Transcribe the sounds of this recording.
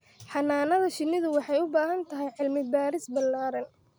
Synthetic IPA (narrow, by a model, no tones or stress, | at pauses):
ħɑnaːnɐðɐʃɪnɪðʊwɑħɑjʊbaːɦɐnt̪ʰɐɦɛjʕɪlmɪd̪̚baːɾɪsbɐlːaːɾɐn